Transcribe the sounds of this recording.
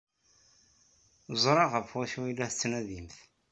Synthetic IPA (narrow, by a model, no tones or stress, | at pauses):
zˤɾˤɑʁəfwæʃuwilːæθt͡sːnæðimθ